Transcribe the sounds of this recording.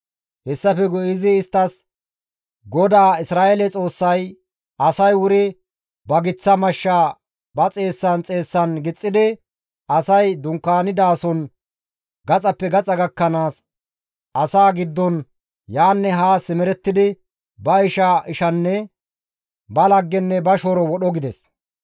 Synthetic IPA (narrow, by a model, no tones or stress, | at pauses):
hɛsːɐfɛɡʊʔɪzɪːst̪ːɐs | ɡɔd̪aːɪsɾaːʔelɛt͡sʼo̞ːsːɐj | ɐsɐjwʊɾɪ | bɐɡɪt͡sːɐmɐʃːa | bɐt͡sʼe̞ːsːɐnt͡sʼe̞ːsːɐnɡɪt͡sʼːɪd̪ɪ | ɐsɐjd̪ʊŋkːaːnɪd̪aːsɔn | ɡɐt͡sʼɐpːɛɡɐt͡sʼɐɡɐkːɐnaːs | ɐsaːɡɪd̪ːɔn | jaːnːɛɦaːsɪmɛɾɛt̪ːɪd̪ɪ | bɐɪʃɐɪʃɐnːɛ | bɐlɐɡːɛnːɛbɐʃɔɾɔwɔɗɔɡɪd̪ɛs